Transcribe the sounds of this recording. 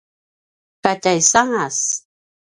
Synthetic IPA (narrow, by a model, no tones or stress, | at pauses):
katajsaŋas